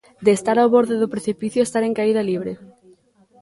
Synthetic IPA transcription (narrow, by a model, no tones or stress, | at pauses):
d̪eːst̪aɾawβoɾðeðʊpɾeθipiθjʊest̪aɾeŋkaiðɐliβ̞ɾe